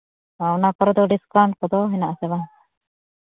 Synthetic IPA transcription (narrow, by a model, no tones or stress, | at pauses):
aunakɔɾɔd̪ɔɖiskaɳʈ̚kɔd̪ɔɦɛnaʔsɛban